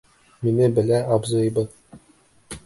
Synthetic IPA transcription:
minɘbɘ̆læʔɒbzɤ̆jbɤ

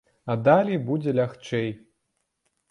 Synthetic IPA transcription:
ɐd̪alʲijbud͡zʲɛlʲaxt͡ʂɛj

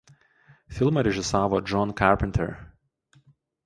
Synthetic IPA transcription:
fʲɪlˠmɐɾʲɛʒʲɪsɑːʋoːd͡ʒɔnkɑɾpʲɛnʲt̪ʰʲɛ̰ɾ

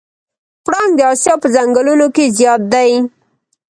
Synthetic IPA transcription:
pɽɑŋɡd̪əɑsjɑpəzaŋɡəlunokezjɑt̪̚d̪aj

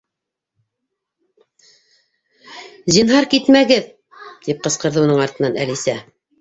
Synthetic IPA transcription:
zinɦɑɾkit̪mæɡɘð | t̪ip̚qɤ̆sqɤ̆ɾðɤunɤɴɑɾt̪ɤ̆nɑnæ̰lisæ

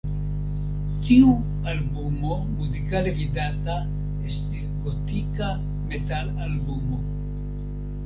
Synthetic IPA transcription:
tiu | albumo̞ | muzikalevidata | e̞stisɡotika | me̞talalbumo̞

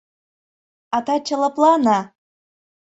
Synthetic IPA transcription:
ɑt̪ɑt͡ɕɤ̆lɤ̆plˠɑnɑ

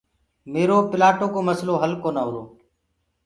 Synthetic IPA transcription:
meːɾoːpɪlaːʈoːkoːməsloːɦəlkoːnaːɦʊːɾoː

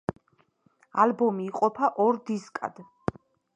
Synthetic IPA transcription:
a̰lbɔmiːqʼɔpʰaʔɔɾd̪iskʼa̰d̪̥

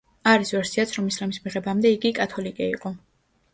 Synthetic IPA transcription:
aɾisvɛɾsiat̪sʰɾɔmislamismiʁɛbamd̪ɛiɡikʼat̪ʰɔlikʼɛḭqʼɔ

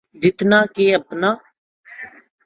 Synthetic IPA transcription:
d͡ʒɪt̪naːkeəpnaː

